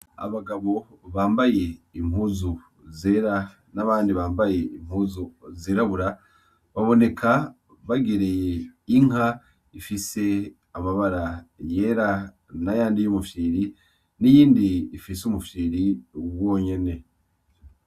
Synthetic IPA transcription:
a̰βaɡaβo̞ | βaːmbaje̞im̥huzu | zeɾa | naβaːndiβaːmbaje̞imhuzuzeːɾaβuɾa | βaβo̞ne̞kʰa | βaɡeɾe̞jeiŋa | ifise̞ | amaβaɾaje̞ːɾa | najaːndijumufiːɾi | nijiːndiːfisumufiːɾiwo̞ːɲe̞ne̞

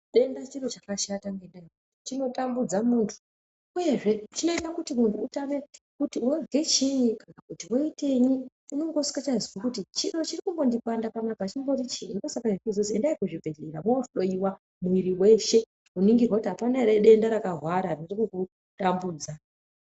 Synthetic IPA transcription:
ɗe̞ndat͡ʃiro̞t͡ʃakaʃataŋɡendaiutut͡ʃino̞tambud͡zamuːntʰu̥ | uje̞ʐe̞t͡ʃino̞itakutimuntʰuːtane | kutiwovɡe̞t͡ʃinikanakutiwoite̞ɲi | uno̞ŋɡo̞si̥kat͡ʃaziwakutit͡ʃiro̞t͡ʃirikumbo̞ndikandapamapat͡ʃimbo̞rit͡ʃiinosakaʐikuzosiendaikuʐibʱe̞ɮeramootoɗo̞iwa | muwiɾiwe̞ʃe̞ | uniŋɡirwakutiɦapanaeɾeɗe̞ndaɾakaɦwaɾaririkuku | tambuːd͡za

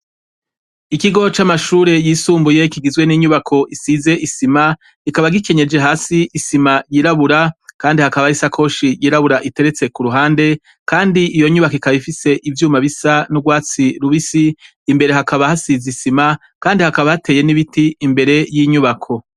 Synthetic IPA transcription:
ikiɡo̞t͡ʃamaʃuːɾe̞jiːsuːmbuje̞kiɡizɡwe̞niɲuβakʰo̞ʔisize̞ʔisima | ikaβaɡike̞ɲe̞d͡ʒe̞ɦaːsiʔisimajiːɾaβuɾakaːndihakaβaisakʰo̞ʃijiːɾaβuɾaʔite̞ɾet͡se̞kuɾuɦaːnde̞ | kaːndiijo̞ɲuβakoikaβifise̞ʔivjuːmaβisanuɡwaːt͡siɾuβisiː | mbe̞ɾe̞ɦakaβahasizisima | kaːndihakaβahate̞ːjeniβitiːmbe̞ɾe̞jiɲuβakʰo̞

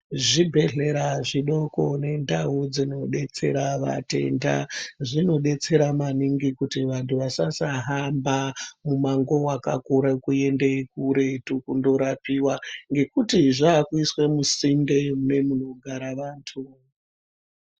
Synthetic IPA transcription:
ʐibʱe̞ɮe̞ɾaʐiɗo̞ko̞ne̞ndaɦud͡zino̞ɗe̞t͡se̞ɾaʋa̰te̞̰nda̰ʐino̞ɗe̞t͡se̞ɾamaniŋɡikutiʋantʰuʋasasaɦambamumaŋɡo̞waka̰kuɾekue̞ndekuɾe̞tukundo̞ɾapiwaŋɡe̞kutiʐaːkuiswe̞musimbemune̞mun̤o̞ɡʱaɾaʋaːntʰu

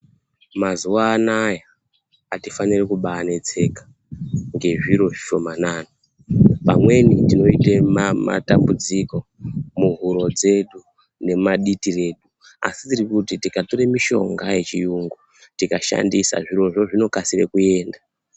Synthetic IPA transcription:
mazuwaːnaja | atifanirekuɓanet͡se̞kḁ | ŋɡe̞ʐiɾo̞ʐiʃo̞manaːno | pamwe̞nitino̞itemama̰tambud͡ziko̞muɦuɾo̞d͡ze̞ɗu | ne̞maɗitire̞ːɗu | a̰sitirikutitikatoɾemiʃo̞̰ŋɡaje̞t͡ʃijuŋɡu | tikaʃa̰ndisa̰ʐiro̞ʐo̞ʐino̞kasirḛkue̞ːnda

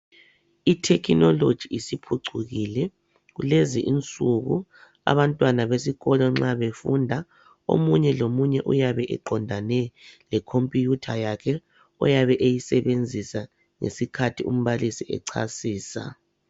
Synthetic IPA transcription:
itʰɛkʰinɔlod̥ʒ̥ʱiisipʰuǀʰuɣilɛ | ɣuleziʔint͡sʼuɣu | a̰βantʼwanaβesiɣɔlɔŋ͡ǁaβefundʱa | o̰muɲɛlomuɲɛʔujaβɛʔɛ̰ǃɔndʱanɛlɛkʰompʼijutʰajakʰɛ | ɔ̰jaβɛʔejisɛβend͡zʱisa | ŋḛsikʰatʰium̩βalisiɛ̰ǀʰa̰siːsa̰

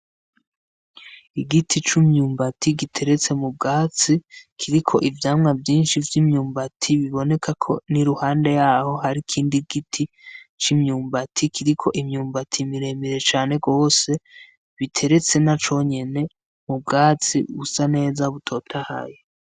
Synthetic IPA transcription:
iɡitʰit͡ʃumɲuːmbatʰiɡitʰe̞ɾe̞t͡se̞mub̚ɡaːt͡sikʰiɾikʰo̞̰ʔivjaːmŋavjiːnʃivjimɲuːmbatʰiβiβo̞ne̞kʰakʰo̞̰niɾuhaːnde̞jaːho̞ɦaɾikʰiːndiɡitʰi | t͡ʃimɲuːmbatʰikʰiɾikʰo̞ʔimɲuːmbatʰimiɾe̞ːmiɾe̞t͡ʃaːne̞ɡo̞ːse̞ | βitʰe̞ɾe̞t͡se̞nat͡ʃo̞ɲe̞ne̞ | mub̚ɡaːt͡sḭβusane̞ːzaβutʰo̞ːtʰaha̰je

